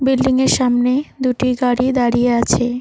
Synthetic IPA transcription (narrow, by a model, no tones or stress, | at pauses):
bilːiŋeɾʃamned̪uʈiɡaɽid̪aɽijeat͡ɕʰe